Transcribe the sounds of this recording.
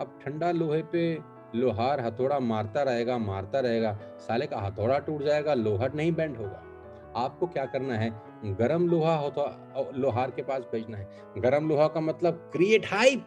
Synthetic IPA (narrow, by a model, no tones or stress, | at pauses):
əp̚ʈʰɐ̃ɳɖaloːɦepe | loːɦaːɾɦɐt̪ʰoːɽamaːɾt̪aɾɐɦeːɡamaːɾt̪aɾɐɦeːɡaː | saːlekaɦɐt̪ʰoːɽaʈuːʈd͡ʒaːeːɡaloːɦaɾnɐɦĩbɛ̃ːɳʈɦoːɡa̰ː | aːp̚kokjaːkɐɾnaɦɛː | ɡɐɾəmloːɦaɦot̪ʰ | loːɦaːɾkepaːsbʱeːd͡ʒnaɦɛː | ɡɐɾəmloːɦakamɐt̪ləb̚kɾieːʈhaːib